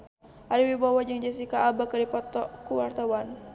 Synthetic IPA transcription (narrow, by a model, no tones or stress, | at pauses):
ʔaɾiwibawad͡ʒaŋd͡ʒasikaʔːbakadipɔt̪ɔkuwart̪awan